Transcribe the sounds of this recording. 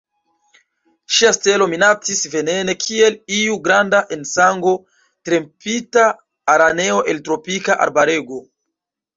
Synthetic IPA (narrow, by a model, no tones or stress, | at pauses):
ʃiaste̞lo̞minat͡sisve̞ne̞ne̞kʰie̞liuɡɾandaʔensaŋɡo̞ | tɾe̞mpitaː | ɾane̞o̞ʔe̞ltɾo̞pikaʔa̰ɾbaɾe̞ɡo̞